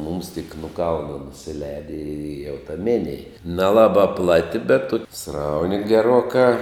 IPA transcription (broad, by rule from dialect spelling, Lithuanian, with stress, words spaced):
mʊms tʲɪk nʊ ˈkɐlˠnɐ nʊsʲɪˈlʲɛɪdʲɪ ɪ jɛʊ tɐ ˈmʲɪnʲeːj nʲɛˈlˠɑːbɐ ˈplˠɑːtʲɪ bʲɛt ˈtʊkʲɪ ˈsrɐʊnʲɪ ɡʲɛˈruɔkɑː